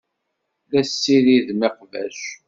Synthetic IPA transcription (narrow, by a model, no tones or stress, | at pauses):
ðæsːiɾiðmiqvæ̰ʃ